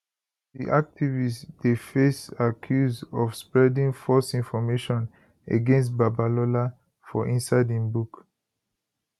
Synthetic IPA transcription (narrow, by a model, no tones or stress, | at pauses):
dḭʔak̚tʰivisdefesakʰjuzɔfspɹɛdĩŋfɔsĩnfɔmeʃɔ̃n | ḛɡɛ̃ns̬t̚babalɔla | fɔʔĩnsaɪdĩnbuk